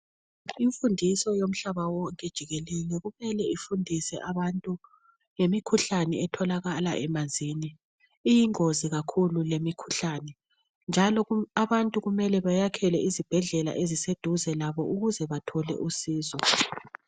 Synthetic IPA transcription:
iɱfundʱisɔjom̩ɬaβawɔŋkʼɛd̥ʒ̥ʱiɣelilɛɣumɛlɛifundʱisɛ̰ʔaβantʼu | jemikʰuɬanɛɛtʰɔlaɣala̰ʔɛmazd͡zʱiniː | jiŋoziɣakʰululemikʰu̥ɬaːnɛ | nd͡ʒʱalɔaβantʼuɣumɛlɛβajakʰɛlɛʔizib̥ʱɛɮɛla̰ʔezised̥ʱuzɛlaβɔʔuɣuzɛβatʰɔlɛ̰ʔusiːzɔ

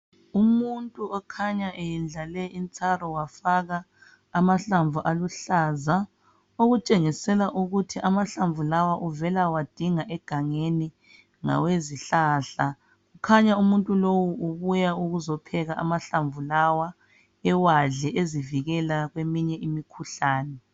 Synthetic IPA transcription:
umuntʼuɔkʰaɲaʔejɛnd͡ɮalɛʔint͡sʰʼarɔwafaɣaː | maɬaɱvʱuʔaluɬaːza | oɣut͡ʃʼeŋisɛlaʔuɣutʰiʔamaɬaɱvʱulawaʔuvɛlawad̥ʱiŋaʔɛɡ̥ʱaŋeni | ŋa̰weziɬaːɬa | ɣukʰaɲaumuntʼulowuʔuβujauɣuzɔpʰɛɣaʔa̰maɬaɱvulawa | ɛwaɮɛʔeziviɣɛlaɣwemiɲɛʔimikʰuɬaːnɛ

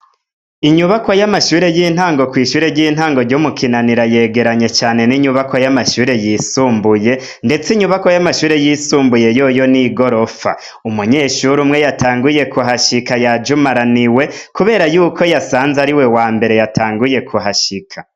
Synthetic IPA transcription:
iɲuβako̞jamaʃuːɾe̞jiːn̥haːŋɡo̞kwiːʃuːɾeɾɟiːn̥haːŋɡo̞ɾɟumukʰinaniɾaje̞ːɡe̞ɾaɲe̞t͡ʃaːne̞niɲuβakojamaʃuːɾe̞jiːsuːmbuje̞ | nde̞t͡siɲuβakojamaʃuːɾe̞jiːsuːmbuje̞joːjo̞niɡo̞ɾo̞fa̰ | umuɲe̞ːʃuɾumŋe̞jatʰaːŋɡuje̞kuɦaʃikajad͡ʒumaɾaniwe̞kuβe̞ːɾajuːkʰo̞jasaːnzaɾiwe̞waːmbe̞ɾe̞jatʰaːŋɡuje̞kʰuɦaʃikʰḁ

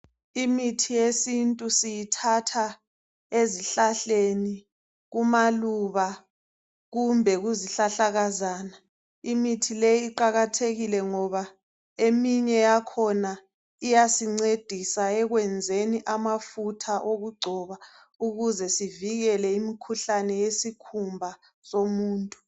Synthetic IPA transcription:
imitʰijesintʼusijitʰatʰa | eziɬaɬeni | ɣumaluβa | ɣumbʱɛɣuziɬaɬaɣazaːna | imitʰilejːǃaɣatʰeɣilɛŋɔβa | emiɲɛjakʰɔna | ijasiŋ͡ǀed̥ʱisaɛɣwɛnd͡zʱeniʔamafutʰaʔoɣuɡ͡ǀʱɔβa | uɣuzɛsiviɣɛlɛimikʰuɬanɛjesikʰumbʱa | somuːntʼu

